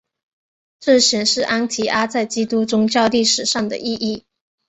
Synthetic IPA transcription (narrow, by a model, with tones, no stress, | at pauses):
ʈ͡ʂɤ˥˩ɕjɛ˨˩nʂɻ̩˥˩ʔa˥nt̪ʰi˧˥ʔa˥t͡sa˥˩ɪt͡ɕi˥t̪u˥ʈ͡ʂʊ˥ŋt͡ɕjɑ˥˧ʊli˥˩ʂɻ̩˨˩ʂɑ˥˩ŋd̪ə̰˩ʔi˥˧ʔi˥˩